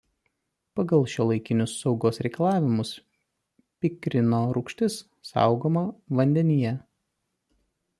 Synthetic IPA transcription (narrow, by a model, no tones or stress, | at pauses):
pɐɡɐlˠʃʲulˠɐɪkʲɪnʲʊsːɒʊɡoːsɾʲɛɪkɐlˠɑːʋʲɪmʊs | pʲɪkɾʲɪnoːɾʊkʃʲt̪ʲɪs | sɑ̰ˑʊɡoːmɐʋɐnʲd̪ʲɛnʲijɛ